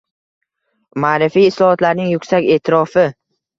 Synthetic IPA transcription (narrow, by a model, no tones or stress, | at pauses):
maːɾɪfijɪslɒhɒt̪laɾnɪŋjʊkʲsakʲe̞ːt̪ʰɪɾɒfɪ